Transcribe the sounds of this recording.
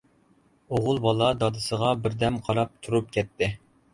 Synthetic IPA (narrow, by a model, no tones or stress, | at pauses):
oʁʊlˠbɑlˠɑd̪ɑd̪ɨsəʁɑbɪɾd̪ɛmqʰɑɾɑp̚t̪ʰuɾup̚kʲɛt̪ʰːɪ